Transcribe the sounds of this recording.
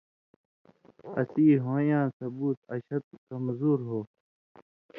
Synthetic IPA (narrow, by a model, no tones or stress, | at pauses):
ɐ̰siːɦõːjãːsɐbuːt̪ɐ̰ɕɐt̪̚kɐmzuːɾɦoː